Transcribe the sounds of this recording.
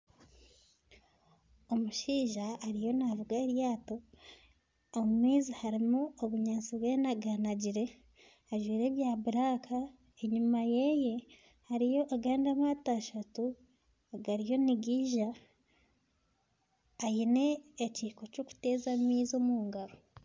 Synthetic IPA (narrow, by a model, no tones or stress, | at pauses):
omuʃiːʒaːɾijo̞navuɡaeɾjaːto̞ | mmiːzihaɾimuoβuɲaːnt͡siβweːnaɡanaɟiɾe̞ | aʒwiːɾe̞ːβjaːβuɾakʰa | eɲumajeje̞ | haɾijo̞ʔaɡaːndamataʃatu | aɡaɾijo̞niɡiːʒa | jine̞ːciːko̞co̞ku̥te̞ːzamiːzomuːŋɡaɾo